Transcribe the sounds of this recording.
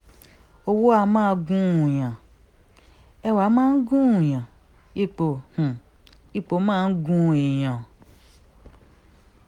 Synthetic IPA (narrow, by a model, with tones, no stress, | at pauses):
o˧wo˦a˧˦mãː˦˧ɡũ˦ũ˨j̃ã˨ | ɛ˧wa˨˦mãː˦n̩˦ɡũ˦ũ˨j̃ã˨ | i˧˨k͡po˨h̩˨ | i˧k͡po˨˦mãː˦˧n̩˦ɡũ˦˨ĩ˨j̃ã˨